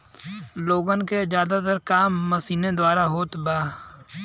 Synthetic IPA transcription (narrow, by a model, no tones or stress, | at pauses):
loːɡənkezjaːd̪at̪əɾkaːmːəsiːned̪waːɾaɦoːt̪baː